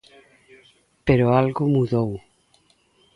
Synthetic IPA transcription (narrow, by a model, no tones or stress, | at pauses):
peɾoalɣʊmuðow